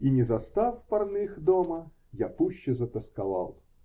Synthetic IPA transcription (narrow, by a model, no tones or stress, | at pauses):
inʲɪzɐst̪afpɐrnɨxd̪omə | japuɕːɪzət̪əskɐva̰lˠ